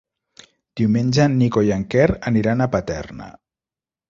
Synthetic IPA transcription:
d̪̥iumenʲʒannːikojaŋkɛɾəniɾanapat̪ɛ̰rnə̰

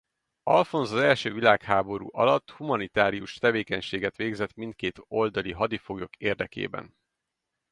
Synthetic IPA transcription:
ɒlfo̞nzɒzɛlʃøːvilaːkhaːbo̞ɾṵːʔɒlɒt̪ːhumɒnit̪aːɾijuʃt̪ɛveːkɛɲʃeːɡɛt̪ʋeːɡzɛt̪mint̪̚keːt̪o̞ld̪ɒliɦɒd̪ifoɡjo̞keːrd̪ɛkḛːbɛ̰n

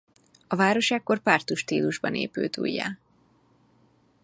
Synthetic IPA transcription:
ɒvaːɾo̞ʃaːkːo̞rpart̪uʃt̪iːluʒbɒnḛːpø̰ːt̪ṵːjːa̰ː

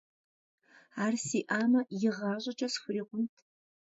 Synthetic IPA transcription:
aːrsiːʔaːmɐjɪʁɑːɕʼɐt͡ʃʼɐsxʷʊɾiːqʷʊmtʰ

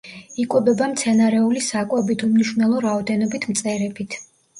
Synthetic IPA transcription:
ikʼwɛbɛbamt̪sʰɛnaɾɛulisakʼwɛbit̪ʰumniʃunɛlˠɔɾaɔd̪ɛnɔbit̪ʰmt̪sʼɛɾɛbit̪ʰ

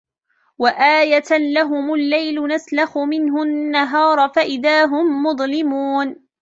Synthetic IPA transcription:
waʔaːjalaɦʊmʊlːajlʊnaslaxʊmɪnɦʊnnːaɦɑːɾˤfaʔɪðaːɦʊmːʊðˤlɪmuːn

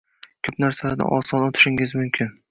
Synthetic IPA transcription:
kʲʰɵpnaɾsalad̪a̰ʔɒsɒnot̪ʰɪ̥ʃɪŋɪzmʊmkʲʰɪn

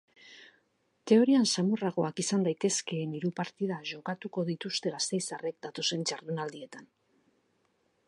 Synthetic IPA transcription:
t̪e̞o̞ɾiansamuraɣo̞akisand̪ajt̪e̞ske̞ːniɾupaɾt̪iðaʝo̞kat̪uko̞ð̞it̪ust̪e̞ɣast̪e̞jsare̞k̚d̪at̪o̞se̞nt͡ʃaɾðunald̪ie̞t̪an

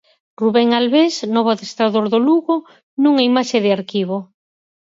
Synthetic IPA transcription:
ruβeŋalβesnɔβoaðest̪ɾaðoɾðoluɣo | nũŋaimaʃeðɪaɾkiβ̞o

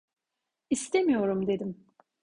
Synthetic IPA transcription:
ist̪ʰemijo̞ɾumd̪e̞d̪im

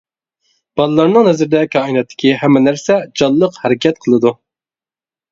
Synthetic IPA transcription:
b̥ɑlˠɨlˠɑɾnɨŋhɛzɪɾd̪ɛkʲʰɑːinɛt̪ʰːɪ̥kʲiɦɛmːɛnæɾsɛd͡ʒɑlˠːəqhɛɾɪkʲʰɛt̪̚qʰəlˠɨd̪u

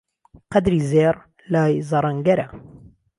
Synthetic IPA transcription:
qɐd̪ɾizeːɾˤ | laːjzɑɾˤɐŋɡɐɾa

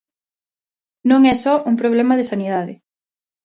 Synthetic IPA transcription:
nõŋɛsɔʔuŋpɾoβ̞lɛmɐðesaniðaðɪ̰

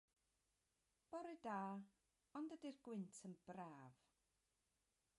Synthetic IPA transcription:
b̥ɔɾɨdaː | ɔndədirɡwɪntʰənb̥raːv̥

